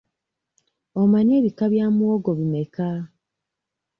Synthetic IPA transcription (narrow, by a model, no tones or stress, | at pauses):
omaɲe̞ːβikaβjaːmuwoɡoβime̞ka